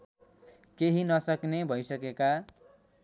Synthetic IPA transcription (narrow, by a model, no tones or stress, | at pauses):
keɦinʌsʌknebʱʌjsʌkeka